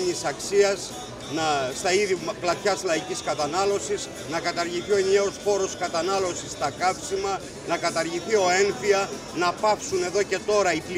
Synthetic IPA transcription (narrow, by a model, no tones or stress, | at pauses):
ɲisɐksiɐs | nɐst̪ɐiðiplɐt̪çɐslɐiciskɐt̪ɐnɐlo̞siz | nɐkɐt̪ɐɾʝiθio̞enieospo̞ɾo̞skɐt̪ɐnɐlo̞sist̪ɐkɐfsimɐ | nɐkɐt̪ɐɾʝiθio̞e̞nfiɐ | nɐpɐfsune̞ðo̞ce̞t̪o̞ɾɐipli